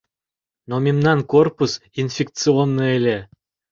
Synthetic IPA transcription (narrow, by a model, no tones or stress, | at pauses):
nomʲemnɑnkorpusinfʲek̪̚t͡sɨonːɔelʲe